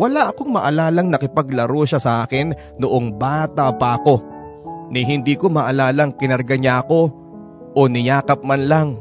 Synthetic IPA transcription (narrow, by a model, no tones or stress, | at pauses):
wɐlaʔɐko̞ŋmɐʔɐlaːlɐŋnɐkɪpɐɡlɐɾoʃasɐʔaːkɪnːoʔoŋbaːt̪apɐʔɐko̞ | nɪɦɪnd̪iːko̞mɐʔɐlaːlɐŋkɪnɐɾɡɐɲako̞ | ʔonɪjaːkɐp̚manlaŋ